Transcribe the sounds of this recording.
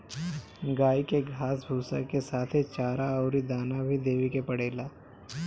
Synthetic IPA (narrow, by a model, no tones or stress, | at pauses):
ɡaːikeɡʱaːsbʱuːsa̰kesaːt̪ʰit͡ʃaːɾaɔːɾid̪aːnabʱid̪eːʋikepɐɽeːlaː